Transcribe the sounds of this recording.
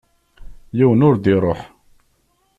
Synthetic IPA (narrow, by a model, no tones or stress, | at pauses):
jiwənʊɾd̪iɾˤoħ